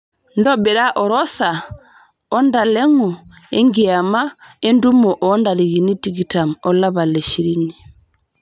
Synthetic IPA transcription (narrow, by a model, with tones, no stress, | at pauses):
ndɔbɛ˨ɾa˦ʔɔ˨ɾɔ˦sa˨ | ɔ˦nda˨lɛ˦ŋɔ˨ | ɛ˦ŋɡia˨ma˦ɛ˦ndu˦mɔ˨ʔɔ˦nda˨ɾi˨ɣi˨ni˦tiɡi˨ta˨mɔ˨la˦ba˨lɛ˨ʃi˨ɾi˦ni˨